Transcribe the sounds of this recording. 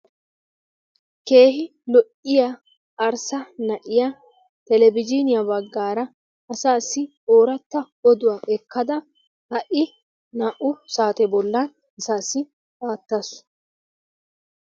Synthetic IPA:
ke̞ːɦɪ | lɔʔɪja | ʔɐɾsɐnɐʔɪja | t̪ɛlɛbɪd͡ʒinɪjabɐɡːaːɾɐ | ɐsaːsːɪ | oːɾɐt̪ːɐ | ɔd̪ʊwaːʔɛkʰːɐd̪ɐ | hɐʔɪ | naʔʊsaːt̪ɛbɔlːɐn | ɐsaːsːɪ | aːt̪ːɐs

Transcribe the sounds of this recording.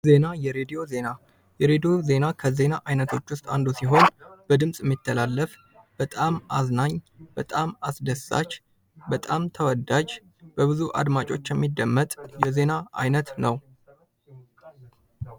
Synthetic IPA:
ze̞najɛɾed̪ijo̞ze̞na | jɛɾe̞d̪ijo̞ze̞nakʰəze̞naʔajnət̪ʰo̞t͡ʃːwʊst̪ʼa̰nd̪usiɦo̞nb̥əd̪ɨmsʼjɛmːit̪ʰːəlalːəf | b̥ət̪ʼamʔaznaɲb̥ət̪ʼamasd̪əsːa̰t͡ʃː | bət̪ʼamt̪ʰəwɔd̪ad͡ʒ | b̥əβɨzuʔa̰d̪mat͡ʃʼo̞t͡ʃːjɛmːid̪ːəmːət̪ʼjɛze̞naʔa̰jnət̪nəw

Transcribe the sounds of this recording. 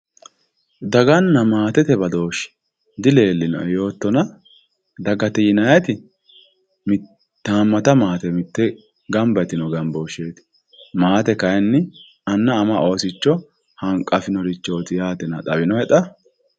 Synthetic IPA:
d̪ɐɡɐnːɐmaːt̪ɛt̪ɛbɐd̪o̞ːʃɛ̥ | d̪ɪle̞ːlːɪnɔ̰jo̞ːt̪ːɔnɐ | d̪ɐɡɐt̪ɛjɪnɐjɐt̪ɪ | mɪ | t̪ːaːmːɐt̪ɐmaːt̪ɛmɪt̪ːɛ | ɡɐmbɐt̪ɪnɔɡɐmboːʃeːt̪ɪ̥ | maːt̪ɛkɐjnːɪ | ɐnːɐːmɐʔo̞ːsɪt͡ʃːɔ | hɐŋkʼːɐfɪnɔɾɪt͡ʃːoːt̪ɪjaːt̪ɛnɐt̪ʼɐbɪnɔhɛᶑ̪ɐ

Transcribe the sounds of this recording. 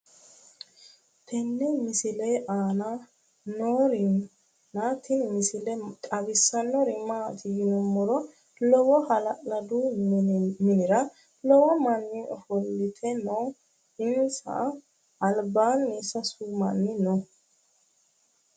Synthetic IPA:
t̪ʰɛnːɛmɪsɪleʔaːna | nɔːɾɪ | naːt̪ɪnmɪsɪlɛkʼɐbɪsːɐnːɔɾɪmaːt̪ʰɪjɪnɔmːɔɾɔ | lɔwɔhɐlɐʔɐd̪u | mɪnɪɾɐ | lɔwɔmɐnːɪɔfɔlːɪt̪ʰɛnɔ | ɪnsa̰ː | lbaːnːɪsɐsuːmɐnːɪnɔ

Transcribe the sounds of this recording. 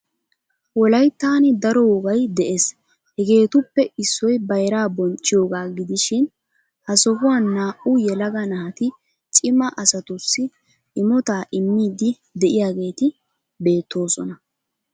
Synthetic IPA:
wɔlɐjt̪ːaːnɪd̪ɐɾɔwɔɡɐjd̪ɛʔe̞ːs | hɛɡe̞ːt̪ʊpːɛɪsːɔjbɐjɾaːbɔnt͡ʃʼːɪjoːɡaːɡɪd̪ɪʃɪn | hɐsɔɦʊwaːnːaːʔʊjɛlɐɡɐnɐhɐt̪ɪ | t͡ʃʼɪmɐʔɐsɐt̪ʊsːɪ | ɪmɔt̪aːʔɪmːiːd̪ɪ | d̪ɛʔɪjaːɡe̞ːt̪ɪ | be̞ːt̪ʰːo̞ːsɔnɐ

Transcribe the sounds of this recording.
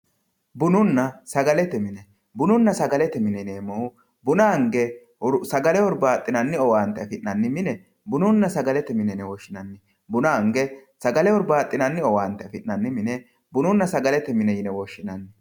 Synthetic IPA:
bʊnʊnːɐsɐɡɐlɛt̪ɛmɪnɛ | bʊnʊnːɐsɐɡɐlɛt̪ɛmɪnɛneːmɔʊ | bʊnɐŋɡɛ | sɐɡɐlɛwɔɾbaːt̪ʼːɪnɐnːɪɔwaːnt̪ːɛɐfɪʔːɐnːɪmɪnɛ | bʊnʊnːɐsɐɡɐlɛt̪ɛmɪnɛnɛwɔʃːɪnɐnːɪ | bʊnɐŋɡɛsɐɡɐlɛwɔɾbaːt̪ʼːɪnɐnːɪɔwaːnt̪ːɛɐfɪnːɐnːɪmɪnɛ | bʊnʊnːɐsɐɡɐlɛt̪ɛmɪnɛjɪnɛwɔʃːɪnɐnːɪ

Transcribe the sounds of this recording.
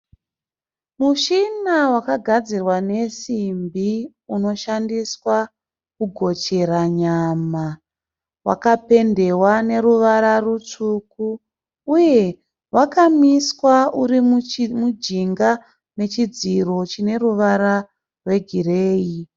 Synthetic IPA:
muʃinawakaɡʱad͡zirwane̞simbi | uno̞ʃandiswa | kuɡʱo̞t͡ʃe̞ɾaɲama | wa̰kape̞nde̞wane̞ɾuʋaɾarut͡sukuː | je̞ | wakamiswaurimud͡ʒiŋɡa | ne̞t͡ʃid͡ziro̞t͡ʃine̞ruʋaɾa | rwe̞ɡʱireːji

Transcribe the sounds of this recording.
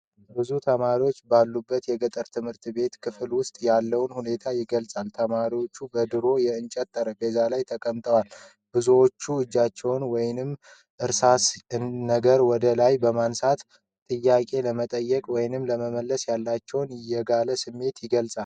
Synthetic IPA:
bɨzut̪ʰəmaɾiwot͡ʃːbalːubːət̪jɛɡət̪ʼəɾt̪ʰɨmhɨɾt̪be̞t̪kʰɨfɨlwʊst̪ʼjalːəwnhune̞t̪ʰajɪɡəlsʼalt̪ʰəmaɾiwot͡ʃːubəd̪ɨɾo̞jɛɨnt͡ʃʼɛt̪ʰːəɾəɡəzalajt̪ʰəkʼəmt̪ʼəwal | b̥ɨzuwot͡ʃːuɨd͡ʒːat͡ʃːɛwnwɔjnɨm | ʔɨɾsasɨnːəɡəɾwɔd̪əlajbəmansat̪ | t̪ʼɨjːakʼe̞ləmət̪ʼəjːɛkʼwɔjnɨmləməməlːəsjalːat͡ʃːɛwnɪjɛɡaləsɨmːe̞t̪jɪɡəlsʼal

